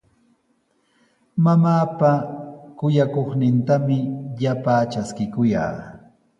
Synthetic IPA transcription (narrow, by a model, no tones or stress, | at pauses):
mamaːpakʊjakoχnɪnt̪amɪʎapaːt͡ʃaskɪkʊja̰ː